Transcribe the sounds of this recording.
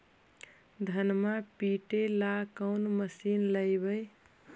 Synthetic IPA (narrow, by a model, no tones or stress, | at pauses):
d̪ʱənmapiʈelakəʊnməsiːnləjbəj